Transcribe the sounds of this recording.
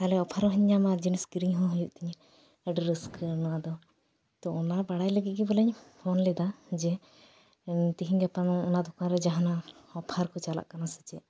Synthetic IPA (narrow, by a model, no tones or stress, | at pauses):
kalɛɔpʰaɾɔɦiɲːamad͡ʒinisɡiɾiɲɦɔ̃ɦujuʔ̚t̪iɲ | əɖɾəskənɔwad̪ɔ | t̪ɔɔnabaɽajləɡit̪̚ˀɡibələɲpʰɔnlɛd̪ad͡ʒɛ | t̪iɦiɲɡɛpanɔnad̪ɔkaɾɛd͡ʒaɦanaɔpʰaɾkɔt͡ʃala̰ʔkanasɛ̥t͡ʃɛʔ